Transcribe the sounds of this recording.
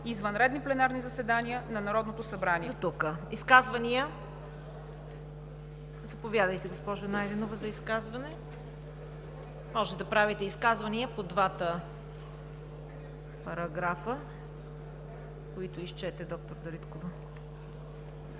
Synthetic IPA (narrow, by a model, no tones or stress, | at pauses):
izvənɾɛd̪niplɛnaɾnizɐsɛd̪anʲiənɐnɐɾɔd̪not̪osɐbɾanit̪ukəiskazvɐnijə | zɐpovʲjad̪əjt̪ɛɡospɔʒʊnajd̪ɛnovəzɐiskazvɐnɛ | mɔʒɛt̪d̪ɐpɾavit̪ɛiskazvɐniəpod̪vat̪ə | pɐɾɐɡɾafə | koit̪ʊist͡ʃɛt̪ɛd̪ɔk̚t̪oɾd̪ɐɾit̪kovə